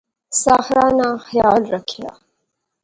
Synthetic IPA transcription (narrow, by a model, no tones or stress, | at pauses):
sɑxɾɑːnaxjɑːlɾakʰja̰